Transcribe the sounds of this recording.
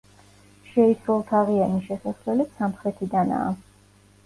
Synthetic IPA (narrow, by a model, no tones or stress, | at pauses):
ʃɛisɾɛlˠt̪ʰaʁianiʃɛsaslɛlɛpsamχɾɛt̪ʰid̪ana̰ː